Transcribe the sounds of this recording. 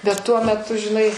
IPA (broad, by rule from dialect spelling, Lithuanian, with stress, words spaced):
bʲɛt ˈtuɔ mʲɛˈtʊ ʒʲɪˈnɐɪ